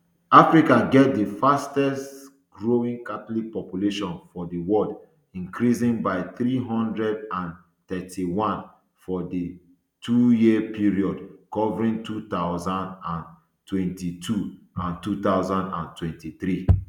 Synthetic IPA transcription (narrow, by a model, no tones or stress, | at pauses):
afɹikaɡɛt̚dəfastɛst | ɡɹoĩŋkat̪ɔlik̚pɔpjuleʃɔ̃nfɔdiwɔld | ĩŋkɹisĩŋbaɪθɾiɦɔ̃ndɹɛdãn | t̪ɛtʰiwãn | fɔdi | tʰujipʰiɹiɔdkɔvɹĩŋtʰut̪aʊzãndãn | twɛ̃ntitʰu | ãntut̪aʊzãndãntwɛ̃ntiθɾi